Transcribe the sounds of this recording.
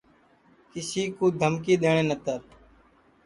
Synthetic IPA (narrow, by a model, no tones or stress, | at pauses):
kɪsiːkoːd̪ʱəmkiːɗ̪eːɳ̃eːnət̪əɾ